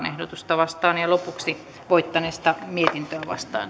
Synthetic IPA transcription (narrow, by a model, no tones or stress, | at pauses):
nehdot̪ust̪ɑʋɑst̪ɑːnjɑlopuksi | ʋoit̪ːɑneːst̪ɑmiet̪int̪øæʋɑ̰st̪ɑ̰ːn